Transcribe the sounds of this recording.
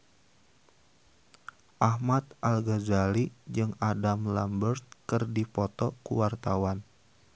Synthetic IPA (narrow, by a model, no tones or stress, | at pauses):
ʔahmat̪ʔalɡazalid͡ʒɨŋadamla̰mbərt̪̚kɨrdipɔt̪ɔkṵwart̪awan